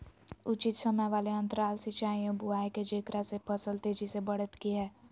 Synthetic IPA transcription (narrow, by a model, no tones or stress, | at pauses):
ʊt͡ʃɪt̪səməjʋaːleə̃nt̪əɾaːlsit͡ʃaːĩobʊaːiked͡ʒeːkɾasepʰəsəlt̪eːd͡ʒisebəɽət̪kiɦɛː